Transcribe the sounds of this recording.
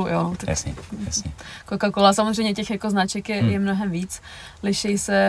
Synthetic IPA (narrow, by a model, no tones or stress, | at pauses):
uʔo̰not̪aja̰sɛ̰jasɲɛkokakolasamozr̝ɛjɲɛcɛxjakoznat͡ʃɛkjɛjɛmnoɦɛmviːt͡s | lɪʃɛjsɛ